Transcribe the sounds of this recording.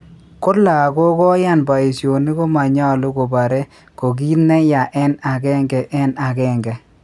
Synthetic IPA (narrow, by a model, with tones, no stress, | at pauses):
kʊ˦la˨kɔ˦kɔ˦ja˦˨nba˨i˨sjo˨ni˦ko˦ma˨ɲa˦˨lʊ˦ko˨ba˨ɾɛ˦ | ko˨ɡiː˦tnɛ˦ja˨ʔɛ˦na˨kɛ˦ŋɡɛ˨ʔɛ˦na˨kɛ˦˨ŋɡɛ˨